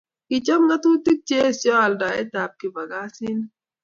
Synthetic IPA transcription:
ki˨t͡ʃɔ˦mŋa˦t̪u˦ti˦k̚t͡ʃe˦˨sjɔ˦a˨lda˨e˦ta˨p̚ki˨ba˨ɡa˦sɪ˦n

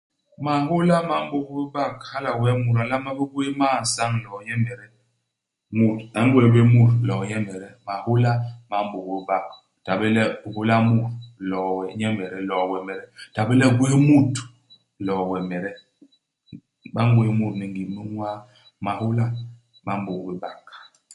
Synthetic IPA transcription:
ma˨ho˦la˦ma˨˦m˦bo˨kbe˦ba˦˨kha˦la˨wɛ˦mu˨ɾa˨la˦ma˦be˦ɡwe˦maː˦˨n̩˨sa˦ŋ˨lɔ˨ɲɛ˦mɛ˨ɾɛ˦ | mu˦˨ta˦ŋ˦ɡwe˦be˦mu˦˨ɾlɔ˨ɲɛ˦mɛ˨ɾɛ˦ma˨ho˦la˦ma˨˦m˦bo˨kbe˦ba˦˨k | ta˨be˦lɛ˦˨ho˦la˦mu˦˨ɾlɔ˨wɛ˨ɲɛ˦mɛ˨ɾɛ˨lɔ˨wɛ˨mɛ˨ɾɛ˦ta˨be˦lɛ˦ɡwe˦mu˦˨t | lɔ˨wɛ˨mɛ˨ɾɛ˦ | ɓa˦ŋ˦ɡwe˦mu˦˨tni˨ŋɡi˨me˦ŋwa˦ | ma˨hu˦la˦ | ma˨˦˨m˦bo˨kbi˦ba˨k

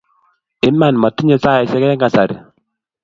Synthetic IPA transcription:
ɪ˦ma˨nma˨ti˦ɲa˨sa˦jɛ˨sɛ˦kɛ˦ɛ˦ŋɡa˨sa˨ɾi˨

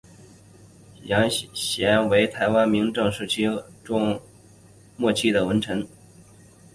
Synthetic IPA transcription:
jɑ˧˥ŋɕjɛ˧˥nwe˧˥ɪt̪ʰa˧˥ɪwa˥nmi˧˥ŋʈ͡ʂɤ˥˧ŋʂɻ̩˥˩t͡ɕʰy˥ʈ͡ʂʊ˥ŋ | mwɔ˥˧t͡ɕʰi˥˩d̪ə˩wə˧˥nʈ͡ʂʰɤ˧˥n

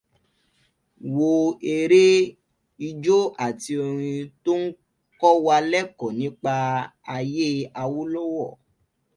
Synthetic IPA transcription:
wo˧e˧ɾe˦ | i˧d͡ʒo˦ʔa˦˨ti˧o˧ɾ̃ĩ˧to˦n̩˦ | kɔ˦wa˧lɛ˦kɔ˨nĩ˨˦k͡pa˧ | a˧je˦a˧wo˦lɔ˦wɔ˦˨

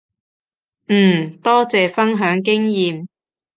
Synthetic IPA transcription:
n̩ː˨˩t̪ɔː˥t͡sɛː˨fɐ˥nɦœː˨˥ŋkɪ˥ŋjiː˨m

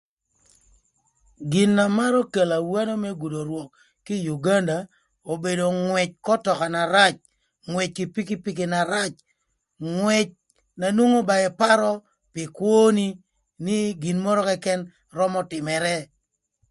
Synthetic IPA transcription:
ɡɪ˨nːa˨ma˦ɾɔ˦ke˨la˨wa˦nɔ˦mɛ˦ɡu˨do˨ɾwɔ˨kː | ɪ˦ju˨ɡa˦nda˨ | o˨be˨do˨ŋwɛ˨t͡ʃ̚kɔ˦tɔ˨ka˨na˨ɾa˦t͡ʃ | ŋwɛ˨t͡ʃ̚kɪ˨pi˦kɪ˦pi˦k̬e˨na˨ɾa˦t͡ʃ | ŋwɛ˨t͡ʃ̚ | na˨nwo˦ŋo˦ba˨ɛ˨pa˦ɾɔ˦ | pɪ˨kwo˦ni˦ | nɪ˦ɡɪ˨nmɔ˦ɾɔ˦kɛ˦kɛ˦n | rɔ˦mɔ˦tɪ˨mɛ˨ɾɛ˦

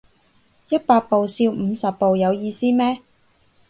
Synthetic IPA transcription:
jɐ˥t̚paː˧t̚po˨wsiː˧wm̩ː˨˧sɐ˨pːo˨wjɐ˨˧wjiː˧siː˥mɛː˥

